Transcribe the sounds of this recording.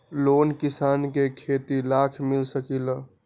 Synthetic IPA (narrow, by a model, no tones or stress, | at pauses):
loːnkisaːnkekʰet̪ilakʰmilsəkilə